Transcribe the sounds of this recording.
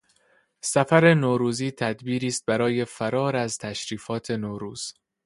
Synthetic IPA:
sæfæɾe̞noːɾuːziːt̪ʰæd̪biːɾiːst̪̚bæɾɒːje̞fæɾɒːɾæzt̪ʰæʃɾiːfɒːt̪ʰe̞noːɾuːz̥

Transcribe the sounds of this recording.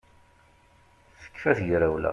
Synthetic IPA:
θə̥kːfæθjɾæwlæ̰

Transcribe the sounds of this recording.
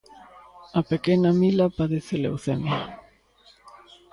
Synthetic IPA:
ɐpekɛnɐmilɐpaðeθelḛwθemjɐ

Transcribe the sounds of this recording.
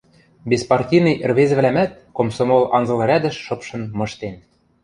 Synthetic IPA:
bespɑrtʲinɤjʔɘ̆rβezɘ̆βlæmæt̪̚komsomolɑnzɤ̆lˠɤ̆ɾʲæd̪ɘ̆ʃːɤ̆pʃɤ̆nmɤ̆ʃt̪en

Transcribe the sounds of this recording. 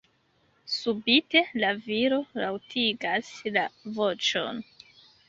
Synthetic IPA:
subite̞laviɾo̞lawtʰiɡaslavo̞t͡ʃo̞̰n

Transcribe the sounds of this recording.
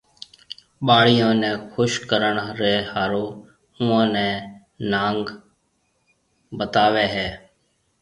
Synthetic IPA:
ɓaːɭɪjõːnɛ̃ːxʰʊʃkəɾəɳɾɛːhaːɾoː | ʊːãːnɛ̃ː | naːŋɡ | bət̪aːʋeːɦɛː

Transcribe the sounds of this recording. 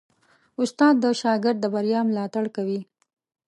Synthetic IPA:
ʊst̪ɑd̪̚ːəʃɑɡɪɾd̪ːəbaɾjɑmlɑt̪aɽkawi

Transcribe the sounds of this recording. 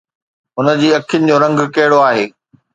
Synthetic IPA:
ɦʊnə̆d͡ʑiːɐkʰɪjʊnɪ̆d͡ʑoːɾɐ̃ŋɡkɐɦɪɽoaːɦeː

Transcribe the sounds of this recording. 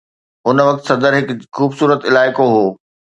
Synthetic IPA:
ʊnʋɐk̚t̪sɐ̃nd̪əɾɦɪkxuːbsuːɾət̪ɪlaːɪkoɦoː

